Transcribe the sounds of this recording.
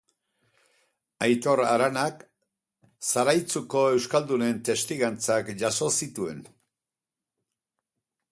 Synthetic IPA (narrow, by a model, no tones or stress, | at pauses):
ajt̪o̞ɾa̰ɾanak | saɾajt͡suko̞e̞wskald̪une̞nt̪e̞st̪iɣant͡sakʝaso̞sit̪ue̞̰n